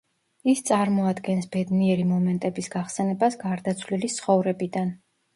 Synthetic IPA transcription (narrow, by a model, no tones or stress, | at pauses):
ist̪sʼaɾmɔad̪ɡɛnsb̥ɛd̪niɛɾimɔmɛnt̪ʼɛbisɡaχsɛnɛbasɡaɾd̪at̪sʰvlilit̪sʰχɔvɾɛbid̪an